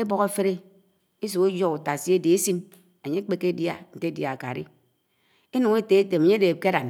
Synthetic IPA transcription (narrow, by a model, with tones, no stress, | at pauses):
e˦bɔ˦ɣe˦fe˦ɾe˦ | i˦s̬u˨ke˦d͡ʒo˦ku˨ta˨si˦e˦de˨e˦si˦n | e˨ɲe˦k͡pe˦ke˦dja̰˦n̩˨te˦dja˨a˨ka̰˨ɾḭ˦ | e˦nu˨ŋe˦te˨˦e˦te˨me˨ɲe˦de˨ke˦ɾa˨n